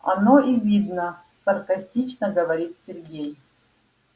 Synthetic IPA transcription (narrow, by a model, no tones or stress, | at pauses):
ɐ̰noivʲid̪nə | sɐrkɐsʲtʲit͡ɕnəɡəvɐɾʲit̪sʲɪrɡʲej